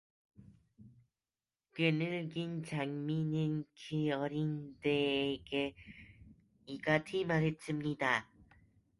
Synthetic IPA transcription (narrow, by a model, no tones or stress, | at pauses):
kɯnɯɭɡint͡ɕaŋminɯnkʰiʌɾindeːɡe | iɡatʰimaɾɦet̚s͈ɯmɲida